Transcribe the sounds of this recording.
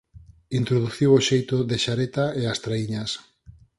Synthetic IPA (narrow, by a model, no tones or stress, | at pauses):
int̪ɾoðuθiwoʃejt̪ʊðeʃaɾet̪aeast̪ɾaiɲas